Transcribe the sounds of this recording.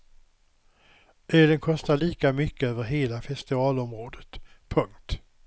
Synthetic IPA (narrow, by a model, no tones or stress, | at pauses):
ʔøːlənkʰɔst̪aɭiːkamʏkːəøːvəɾɦeːlafɛst̪ɪvɑːlɔmɾoːd̪ət̪pʰɵŋkt̪